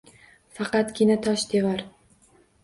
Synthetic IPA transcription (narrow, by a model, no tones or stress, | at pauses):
fɑqɑt̪ɡʲɪnat̪ʰɒʃd̪evaɾ